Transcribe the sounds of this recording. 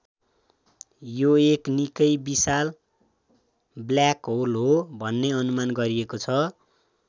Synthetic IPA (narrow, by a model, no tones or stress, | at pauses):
joeknikʌjbisal | bljakɦolɦobʱʌnːeʌnumanɡʌɾiekot͡sʰʌ